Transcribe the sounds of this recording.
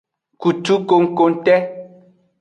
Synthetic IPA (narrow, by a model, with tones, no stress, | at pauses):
ku˨tu˦ko˦ŋ̩˦ko˦n̩˦tɛ˦